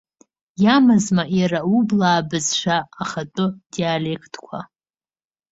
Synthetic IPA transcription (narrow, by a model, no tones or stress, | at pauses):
jamazmajaɾaublaːbɨzʃʷaːχatʷʼʊd̥ialekʰtʰkʷʰa